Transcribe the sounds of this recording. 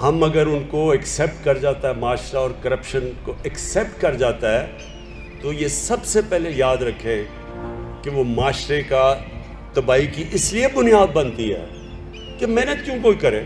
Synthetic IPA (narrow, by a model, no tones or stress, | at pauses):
hɐmɐɡəɾʊnkoɛksɛːp̚ʈkɐɾd͡ʒaːt̪aɦɛmaːʃɾaɔːɾkɐɾəpʃənkoʔɛksɛːp̚ʈkɐɾd͡ʒaːt̪aɦɛː | t̪ojesɐbsepɛɦlejaːd̪ɾɐkʰːẽ | keʋomaːʃɾeka | t̪ɐbaːikiʔɪsliebʊnijaːd̪̚bɐ̃nt̪iɦɛ̰ː | kemɛ̃ːnət̪̚kjõːkoːikɐɾẽː